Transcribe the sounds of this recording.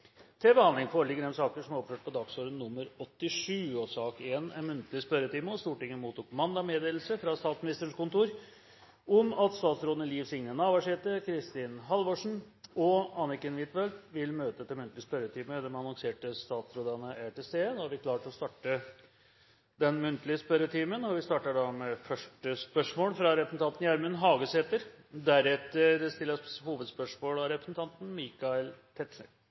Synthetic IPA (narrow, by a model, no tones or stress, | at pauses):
t̪ʰɛbəhɑnd̪lɪŋfoːɾəɭɪɡəɖɛmsɑːkəʂɔmæɾɔpføːʈ̚pʰɔd̪ɑksoːɾənːʊmːəɾɔt̪ːɪʂʉːosɑːkeːnæmʉnt̪lɪspœɾət̪ʰiːməɔst̪uːʈɪŋːəmuːt̪uːkʰːʊmɑnd̪ɑmeːd̪eːl̩səfɾɑst̪ɑːt̪smɪnɪst̪əɳ̩kʊnt̪uːɾ | ɔmɑt̪st̪ɑːt̪sɾoːd̪nəliːʋsɪŋnənɑːʋæʂɛːt̪əkʰɾɪst̪ɪnɦɑlʋoʂɳ̩ | ɔɑnɪkənʋɪt̪ʋɛlt̪ʋɪlmøːt̪ət̪ʰɛmʉnt̪lɪəspœɾət̪ʰiːməd̪ɛmɑnɔŋseːʈəst̪ɑːt̪sɾoːd̪ɑnəæʈɛseːd̪ɑɑɾʋɪkʰlɑːʈɔst̪ɑːʈə | d̪ɛnmʉnt̪lɪəspœɾət̪ʰiːmənɔʋɪst̪ɑːʈəɖɑmɛfœʂʈəspœʂmoːlfɾɑɾɛpɾəsn̩t̪ʰɑnt̪njæɾmʉnɦɑːɡəseːt̪əɾ | d̪æɾɛt̪ːəɾst̪ɪlːəhuːʋəd̪spœʂmoːlɑɾɛpɾəsn̩t̪ʰɑnt̪n̩miːkɑɪlt̪ʰɛt̪ʂə̰